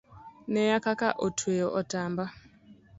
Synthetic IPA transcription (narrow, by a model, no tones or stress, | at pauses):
nɛjakakaʔotʰwejɔʔɔtamba